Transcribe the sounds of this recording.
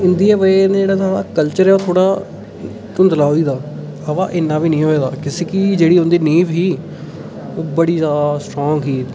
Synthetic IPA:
ɪnd̪iːaːʋənːd͡ʒeːɽaːt̪ʰaakəlt͡ʃəɾɛːoːt̪ʰoːɽaː | t̪ʊnd̪əlaːɦoiːd̪aː | əʋaːʔɪnːãːʋiːnĩːɦoːeːd̪a̰ːkɪseːkid͡ʒeːɽiːõnd̪iːnĩːʋɦiː | oːbəɽiːzaːasʈɾɔːŋɡɦiː

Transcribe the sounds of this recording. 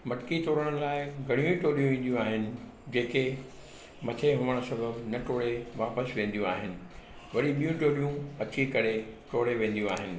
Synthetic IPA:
mɐʈɪkit̪oːɾəɽ̃laːɪɡʱɐɽ̃ijũiʈoːlijũʋẽːn̆d̪ijũaːɦɪnɪ̆ | d͡ʑeːke | mɐt̪ʰeɦʊʋəɽ̃sɐbʱəbnɐʈoːɽeʋaːpəsʋẽːn̆d̪ijũaːɦɪnɪ̆ | ʋɐɗiɓijũʈoːlijũɐt͡ɕikɐɾeʈoːɽeʋẽːn̆d̪jũaːɦɪnɪ̆

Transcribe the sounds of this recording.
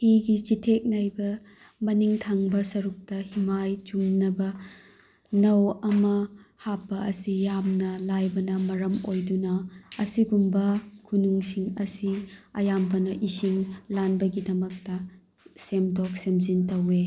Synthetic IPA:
hiɡit͡ʃitʰek̚najbɐ | mɐniŋtʰaŋbɐsɐɾuk̚tɐhimajt͡ʃumnɐbɐ | nɐwɐmɐhapːɐɐsijamnɐlajbɐnɐmɐɾɐmojdunɐɐsiɡumbɐkʰunuŋsiŋɐsiɐjambɐnɐʔisiŋlanbɐɡidɐmɐk̚tɐ | semdɔk̚semzintɐwe

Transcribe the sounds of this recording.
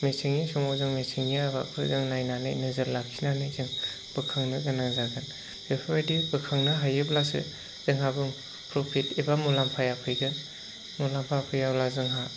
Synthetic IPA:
mesiŋisɔŋɔzɯŋmesiŋijaba̰pʰɯzɯŋnajnanɯ̰jnɯzɯɾlakʰinanɯzɯŋ | bɯkʰaŋnɯɡɯnaŋzaɡɯn | pʰepʰbajdibɯkʰaŋnɯɦajɯblasɯ̰ | zɯŋɦabɯŋ | pɾopʰitibamulampʰajapʰɯjɡɯn | mulampʰapʰɯjawlazɯŋɦa

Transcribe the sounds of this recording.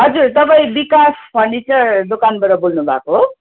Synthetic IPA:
ɦʌd͡zurt̪ʌpaĩbikasbʱʌnit͡sʌd̪okanbʌɾʌbolnubʱa̰koɦo

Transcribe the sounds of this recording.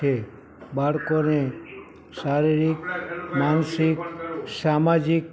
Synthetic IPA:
e | baɽkone | ʃaɾiɾikmansiksamad͡ʒik

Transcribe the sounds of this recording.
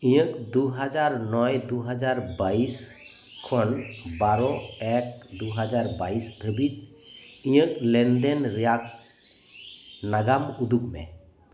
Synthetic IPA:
ĩjəkd̪uɦad͡ʒaɾnɔjd̪uɦad͡ʒaɾbais | kʰɔnbaɾɔɛkd̪uɦad͡ʒaɾbaisd̪ʱəbit̪ | ĩjəklɛnd̪ɛnɾijak̚ | naɡamud̪ukmɛ̰

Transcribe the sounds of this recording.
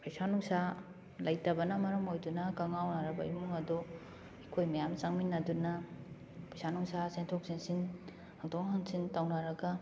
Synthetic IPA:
pʰɐjsanuŋsa | lɐjtɐbɐnɐmɐɾɐmojdunɐkaŋawnaɾɐbɐimuŋɐdo | ikʰojmɐjamt͡ʃaŋminːɐdunɐ | pʰajsanuŋsasentʰok̚sensin | haŋtʰoŋɦaŋsintawnaɾɐɡɐ

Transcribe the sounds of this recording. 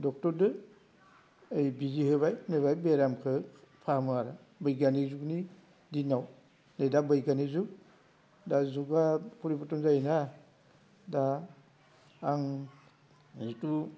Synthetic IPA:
dɔk̚tɔɾdɯ | jbiziɦɯbajneβajbeɾamkʰɯpʰamɯaɾa | bɯjɡanizukni | dinaw | nedabɯjɡanizuk̚ | dazuɡapʰuɾipʰɔtɔŋzana | da | ŋ | zitu

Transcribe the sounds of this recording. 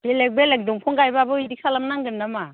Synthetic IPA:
belek̚belek̚duŋpʰuŋɡajbabɯidisʰalamnaŋɡɯɾnama

